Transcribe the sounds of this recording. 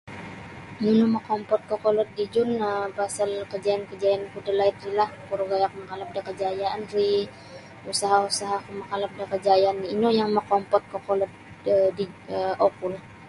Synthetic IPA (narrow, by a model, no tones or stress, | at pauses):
nunuməkɔmpɔt̪̚kokolɔt̪̚did͡ʒʊnəpasalkəd͡ʒajankəd͡ʒajankudəlait̪̚rilahpuɾuɡajakuməkalap̚dakəd͡ʒajaanri | usaɦausaɦakuməkalap̚dakəd͡ʒajanːiːnojaŋməkɔmpɔt̪̚kokolɔt̪̚ | ədiəokul